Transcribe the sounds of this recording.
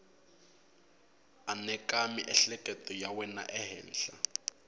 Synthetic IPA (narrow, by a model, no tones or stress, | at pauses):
anɛkamiʔɛɬɛkʼɛtɔjawɛna̰ʔɛɦɛ̰ːn̩ɬa